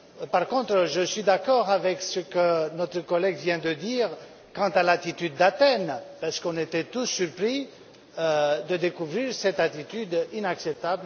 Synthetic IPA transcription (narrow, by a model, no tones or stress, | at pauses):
paʁkɔ̃t̪χəʒəsɥid̪akɔʁavɛksəkənɔt̪χəkɔlɛɡvjɛ̃d̪əd̪iːʁ | kɑ̃t̪alat̪it̪yd̪ːat̪ɛnpaʁsə̥kɔ̃net̪ɛt̪usːyʁpχi | d̪əd̪ekuvʁiʁsɛt̪at̪it̪yd̪inaksɛp̚t̪abl